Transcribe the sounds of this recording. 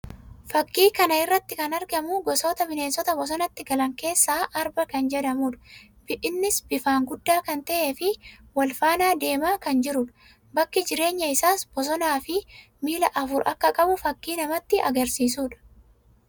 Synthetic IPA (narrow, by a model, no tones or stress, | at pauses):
fɐkːiːkɐnɐɪrːɐt̪ːɪkɐnɐɾɡɐmʊɡɔsɔːt̪ɐfɪne̞ːnsɔt̪ɐbɔs̬ɔnɐt̪ːɪɡɐlɐŋke̞ːsːaːʔɐɾbɐkɐnd͡ʒɛd̪ɐmuːᶑɐ̥ | b̥ɪʔɪnːɪsb̥ɪfaːŋɡʊd̪ːaːkɐnt̪ɐʔe̞ːfɪwɐlfaːnaːd̪e̞ːmaːkɐnd͡ʒɪɾʊᶑɐ̥ | bɐkːɪd͡ʒɪɾe̞ːɲːɐɪsaːsbɔs̬ɔnaːfɪ | miːlɐʔɐfʊɾʔɐkːɐkʼɐbʊfɐkːiːnɐmɐt̪ːɪɐɡɐɾsiːs̬uːᶑɐ̥